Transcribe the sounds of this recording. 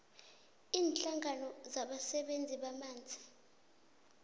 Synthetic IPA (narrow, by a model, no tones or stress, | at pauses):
iːnɬaŋanɔzaɓasɛɓend͡zʱiɓamaːnd͡zʱi̥